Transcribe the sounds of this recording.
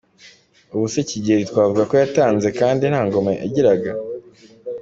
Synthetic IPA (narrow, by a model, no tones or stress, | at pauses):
uβuseciɟeɾitwaːvuɡako̞jataːnze̞kaːndin̥haːŋɡo̞meʔaɟiɾaɡa